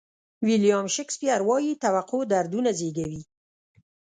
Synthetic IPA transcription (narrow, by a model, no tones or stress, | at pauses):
wiljɑmʃɪkspjaɾwɑjit̪awaqod̪aɾd̪unazeɡawi